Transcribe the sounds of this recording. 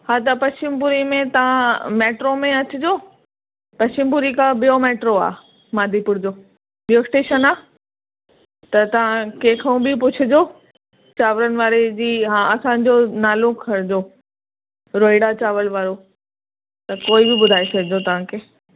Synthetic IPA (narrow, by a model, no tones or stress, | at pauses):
ɦaːt̪̬ɐpɐst͡ɕɪmpʊɾimẽt̪ɐʋ̤ãmeːʈɾomẽɐt͡ɕʊd͡ʑoː | pɐɕt͡ɕɪmpʊɾikãbijomeːʈɾoa̰ː | maːd̪ʱipʊɾd͡ʑoː | bijoɪsʈeːʃənaː | t̪ɐt̪ɐʋ̤ãkeːkʰəũbɪpʊt͡ɕʰʊd͡ʑoː | t͡ɕaːʋɾənɪ̆ʋaːɾed͡ʑiːɦãɐsãːɲ̆d͡ʑonaːlokʰɐɾɪd͡ʑoː | ɾoːɪɽat͡ɕaːʋəlʋaːɾo | t̪ɐkoːɪbɪbʊd̪ʱaːesɐkʰɪd͡ʑot̪ɐʋ̤ãkʰeː